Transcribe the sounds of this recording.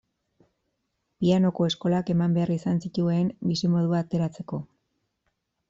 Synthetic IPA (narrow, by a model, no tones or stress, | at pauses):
piano̞ko̞e̞sko̞lake̞mambe̞arisansit̪ue̞mbisemo̞ð̞uaːt̪e̞ɾat͡se̞ko̞